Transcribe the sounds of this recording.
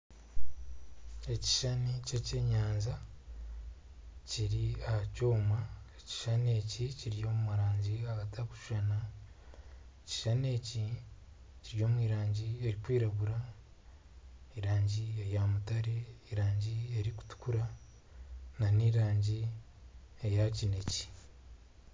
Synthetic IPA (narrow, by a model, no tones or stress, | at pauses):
e̞ci̥ʃanicece̞ɲaːnza | ciɾiahacoːmaeci̥ʃane̞ciciɾijo̞ːmumuɾaːɲɟiaɡatʰaku̥ʃu̥ʒana | eci̥ʃane̞ːci | ciɾijo̞ːmwiːɾaːɲɟie̞ɾikwiːɾaβuɾa | iɾaːɲɟiejamutaɾeiɾaːɲɟie̞ɾiku̥tu̥kuɾa | naniɾaːɲɟi | ejacine̞ci̥